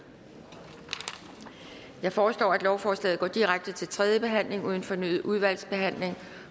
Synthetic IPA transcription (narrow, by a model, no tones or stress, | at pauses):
jɑ̈ɪfɒːslɒ̰ːæd̥lɒʊfɒːslɛ̰ːð̩ˠɡɒ̰ːd̥iʁaɡ̥̚d̥ət͡sʰe̝lt͡sʰʁɛð̞ˠjəb̥e̝ɦæn̰le̝ŋuð̞ˠn̩fɒ̽ny̰ːð̞̩ˠʔuðˠʋæl̰sb̥e̝ɦæn̰le̝ŋ